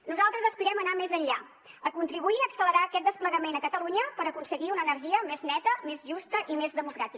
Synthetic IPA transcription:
nuzalˠt̪ɾəzəspiɾɛmənamezənʎa | əkunt̪ɾiβuiəksələɾaːkɛt̪̚d̪əspləɣəmenəkət̪əluɲəpəɾəkunsəɣiunəːnərʒiəmeznɛt̪əmezʒust̪əʔimezðəmukɾat̪i

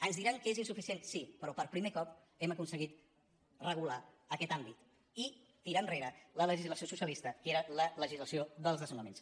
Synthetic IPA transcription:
ənzðiɾaŋkəezinsufisient̪sipɾɔpəɾpɾimekɔp | ɛməkunsəɣit̪ | rəɣ̞ula | əkɛt̪ambit̪ | i | t̪iɾanreɾələləʒizləsiosusjəlist̪əkeɾələləʒizləsioðəlˠzðəzəmləmḛns

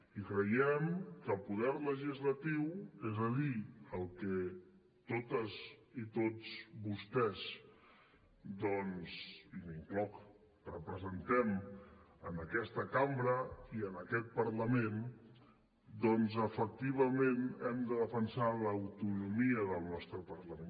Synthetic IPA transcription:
ikɾəjɛmkəlˠpuðɛrləʒizlət̪iwezəliəlˠkɛ | t̪ot̪əzit̪od͡zβust̪ɛz | d̪ɔnziniŋklɔk | rəpɾəzənt̪ɛmənəkɛst̪əkambɾəiənəkɛt̪̚pəɾləmen | d̪ɔnzəfək̚t̪iβ̞əmenɛmd̪əðəfənsaləwt̪unumiəðəlˠnɔst̪ɾəpərləme

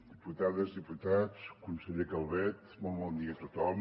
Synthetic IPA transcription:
d̪ɨput̪aðɐzðɨput̪ad̪ʃkũnseʎekalˠβɛt̪ | mɐmɐniɐt̪ut̪alˠ

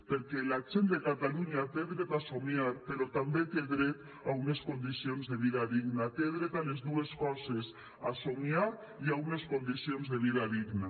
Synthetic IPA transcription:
peɾkɛlat͡ʃend̪ekat̪aluɲat̪eðɾet̪asomiaɾpeɾɔt̪ambet̪eðɾet̪ | auneskond̪isionzðeβiðaðiɡnat̪eðɾet̪alezðueskɔzes | asomia | iauneskond̪isionzðeβ̞iðaðiɡna

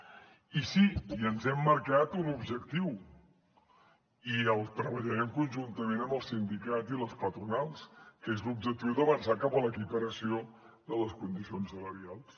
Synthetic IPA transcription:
isiiənzɛmːəɾkat̪unubʒəkt̪iw | iəlˠt̪ɾəβəʎəɾɛmkunʒunt̪əmenəməlˠsind̪ikaziləspət̪ɾunalˠskezlub̚ʒək̚t̪iwd̪əβənsakapələkipəɾəsio | d̪ələskund̪isionsələɾialˠs

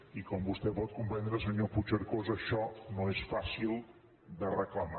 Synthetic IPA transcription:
ikɔmbust̪ɛpɔt̪̚kumpɛnd̪ɾəsəɲoput͡ʃəɾkozəʃɔnoesfasilˠ | d̪ərəkləma

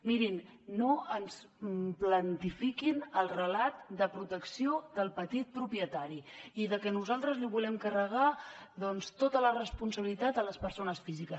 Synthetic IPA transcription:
miɾinːoəns | plənt̪ifikinəlˠrəlat̪̚d̪əpɾut̪əksiod̪əlˠpət̪it̪̚pɾupjət̪aɾiiðəkɛnuzalˠt̪ɾəzliβulɛmkərəɣ̞aðɔnst̪ot̪ələrəspunsəβilit̪at̪ələspəɾsonəsfizikə

